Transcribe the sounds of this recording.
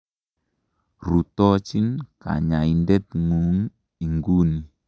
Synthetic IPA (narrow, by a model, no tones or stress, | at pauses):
rut̪ɔt͡ʃinka̰ɲaindɛt̪̚ŋuŋ | iŋɡuni